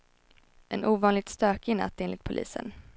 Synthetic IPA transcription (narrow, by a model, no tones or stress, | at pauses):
ʔɛnʔuːvɑːnlɪɡ̚t̪st̪øːkɪna̰t̪ʰːeːnlɪkt̪pʰʊlʔḭːsə̰n